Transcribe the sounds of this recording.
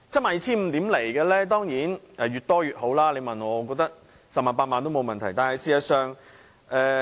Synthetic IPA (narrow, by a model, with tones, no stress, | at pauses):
t͡sɛ˥maː˨˩jt͡sʰiː˥m̩˧t̪iː˨˥mle˨˩jkɛː˧lɛː˥t̪ɔː˥ŋjiː˨˥nʔɛː˨˩ɥyː˨˩t̚t̪ɔː˥jyː˨t̚ɦo˨˥wlaː˥le˨˧jmɐ˨˩nɔː˨˧kɔː˧k̚t̪ɐ˥k̚ | sɐ˨p̚maː˨npaː˧t̚maː˨˧nt̪o˥wmo˨˧wmɐ˨˩nt̪ʰɐ˨˩jt̪aː˨nhɐ˨jsiː˨˧jɐ˨tsœː˨ŋ | ʔɛː˨˧